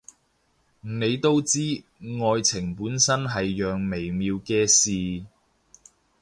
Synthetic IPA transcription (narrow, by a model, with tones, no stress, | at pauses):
m̩˨˩ne˨˧jt̪o˥wt͡siː˥ | ŋɔː˧jt͡sʰɪ˨˩ŋpuː˨˥nsɐ˥nɦɐ˨jːœː˨ŋme˨˩jmiː˨˧wkɛː˧siː˨